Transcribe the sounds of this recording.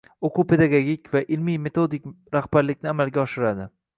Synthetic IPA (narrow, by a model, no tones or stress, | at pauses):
oqʰupʰe̞d̪aɡoɡʲikʲvaʔɪlmijme̞t̪ʰo̞d̪ɪk̚ʲ | ɾaχb̥aɾlɪkʲnɪamalɡʲaɒʃɪɾad̪ɪ